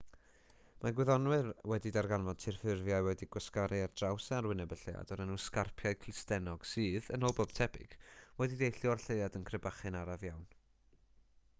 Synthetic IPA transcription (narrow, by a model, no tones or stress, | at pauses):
maɡwɪðɔnwɨrwɛdidarɡanvɔdtʰɪrfɪrvjajwɛdiɡwɔskaɾʔɪardrawsaarwɪnɛbəɬeja̰dɔɾənuskarpʰjaɨkʰl̥ɪstɛnɔɡ̥sɨːðənɔlˠbob̥̚tʰɛbɪ̰ɡ̥wɛdidejɬɨɔrɬeɨadənkʰrəbaχɨnaɾavjawn